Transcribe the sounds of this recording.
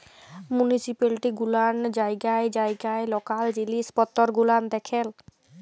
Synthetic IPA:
munisipalʈiɡuland͡ʑajɡaed͡ʑajɡaelɔkald͡ʑilispɔt̪ːoɾɡulamd̪ɛkʰel

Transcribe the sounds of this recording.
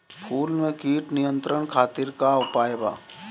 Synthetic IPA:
pʰuːlmẽkiːʈnɪjə̃nt̪ɾəɳkʰaːt̪ɪɾkaʊpaːjba̰ː

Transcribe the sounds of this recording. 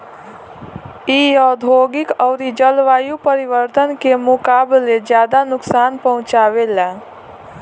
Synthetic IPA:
ijɔːd̪ʱoɡɪkɔːɾid͡ʒəlʋaːjupəɾiʋəɾt̪ənkemʊkaːbled͡ʒjaːd̪anʊksaːnpəɦʊ̃t͡ʃaʋela

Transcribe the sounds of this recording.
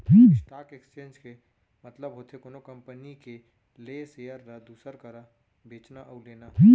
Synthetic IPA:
t̪ʰiːksʈaːkekst͡ʃẽːnd͡ʒke | mət̪ləbɦoːt̪ʰekoːnokɐ̃mpənike | leseːjəɾɾad̪uːsəɾkəɾa | beːt͡ʃnaʔəʊleːnat̪ʰiː

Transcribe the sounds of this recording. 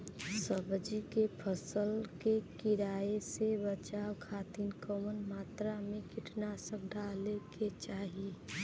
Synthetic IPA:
səbd͡ʒikepʰəsəlkekɪɾaːesebət͡ʃaːwkʰaːt̪inkəmənmaːt̪ɾamẽkɪʈnasəb̚ɖʱaleket͡ʃaːɦi

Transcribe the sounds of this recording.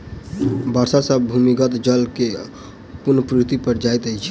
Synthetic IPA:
bəɾsasəbbʱumiɡət̪d͡ʒəlke | puɾnəpɾit̪ipəɾd͡ʒajt̪əjt͡ʃʰɛ̥

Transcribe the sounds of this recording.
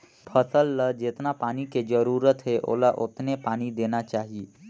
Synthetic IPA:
pʰəsəlːəd͡ʒet̪napaniked͡ʒəɾuːɾət̪ɦeʔo̰laʔot̪ʰnepaːñid̪enat͡ʃaːɦie

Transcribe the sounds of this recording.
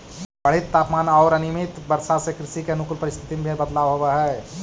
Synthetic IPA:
bəɽ̤it̪ːaːpmaːnɔːɾənimɪt̪bəɾsasekɾɪʃikeənʊkʊlpəɾɪst̪ʰɪt̪imebʱibəd̪laːʋɦoweɦɛː

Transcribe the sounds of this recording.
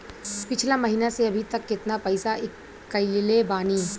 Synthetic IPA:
pɪt͡ʃʰlamɐɦiːnaseɐbʱit̪ɐkːɪt̪napɐɪsaʔɪ | ɐɪllebaːniː

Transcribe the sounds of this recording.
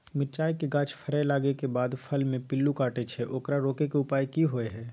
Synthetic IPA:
mɪɾt͡ʃaːjkeɡãːt͡ʃʰfʰəɾɛlaːɡekebaːd̪pʰəlmẽpɪlːukaːʈet͡ʃʰɛʔoːkɾaɾoːkekeʊpaːjkiɦoeɦɛː

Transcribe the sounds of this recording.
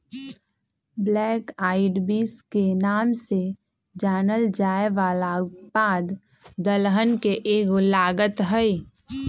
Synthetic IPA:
blɛːkaːɪɖbiːskenaːmse | d͡ʒaːnəld͡ʒaːeʋaːlabaːd̪ | d̪əlɦənkeʔeːɡʊlaːɡət̪ɦəi

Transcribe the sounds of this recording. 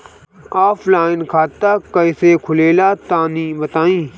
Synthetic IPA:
aːpʰlaːɪnkʰaːt̪ːaːkəisekʰʊleːlaːt̪ãːnĩːbət̪aːĩː

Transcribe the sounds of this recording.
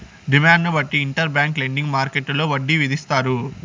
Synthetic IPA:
ɖimaːɳɖnubɐʈːiːɳʈɐɾbjaːŋkleɳɖiŋɡmaːɾkeʈːloːʋɐɖːiʋid̪ist̪aːɾu

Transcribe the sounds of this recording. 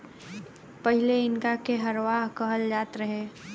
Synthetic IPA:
pɐɦɪleɪnkakeɦɐɾʋaːɦkɐɦəld͡ʒaːt̪ɾɐɦeː

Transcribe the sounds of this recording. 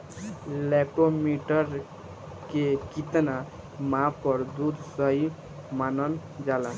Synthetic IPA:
lɛkʈomiʈəɾ | kekit̪na | mãpəɾd̪ud̪səi | manən | d͡ʒala

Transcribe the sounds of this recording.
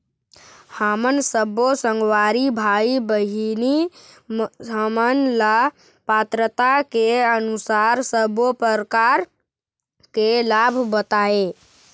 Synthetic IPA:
həmənsəbosəŋɡwaɾibʱaibəɦini | ɦəmənla | pat̪ɾət̪akeənusaɾsəbopəɾkaɾ | kelabʱbət̪ae

